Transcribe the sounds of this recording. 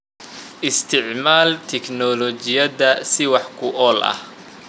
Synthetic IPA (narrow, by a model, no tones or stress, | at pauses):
ʔɪst̪ʰɪʕmaːlt̪ʰɛknɔlɔt͡ʃɪjɐðɐsɪwɑħkʰʊʔɔːlʔɐ̰h